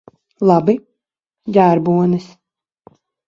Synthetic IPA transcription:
lˠɑbi | jʲæːɾbuɔnis

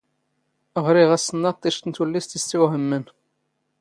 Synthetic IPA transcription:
əʁɾiʁæsənːɑt̪ˤːiʃt̪ənt̪wəlːist̪istːiwɦəmːən

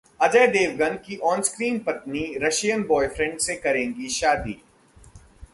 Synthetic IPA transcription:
ɐd͡ʒəːd̪eːʋɡə̃n̚kiʔɔːnskɾiːnpɐt̪niɾɐʃijənbɔːɪfɾɛ̃ɳɖsekɐɾẽːŋɡiʃaːd̪ḭː

